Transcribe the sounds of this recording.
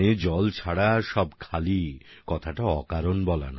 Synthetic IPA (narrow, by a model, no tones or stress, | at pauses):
ed͡ʑɔlt͡ɕʰaɽaʃɔbkʰalikɔt̪ʰaʈaɔkaɾonbɔla̰n